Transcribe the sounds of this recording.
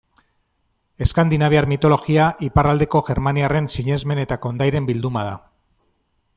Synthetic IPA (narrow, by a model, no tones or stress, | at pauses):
e̞skand̪inaβ̞eaɾmit̪o̞lo̞ɣiaʔiparald̪e̞ko̞ʝe̞ɾmaniare̞nsiɲe̞zme̞ne̞t̪ako̞nd̪ajɾe̞mbild̪umað̞a